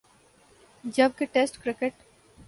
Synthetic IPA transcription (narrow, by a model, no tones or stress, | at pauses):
d͡ʒɐb̚keʈesʈkɾɪkeʈ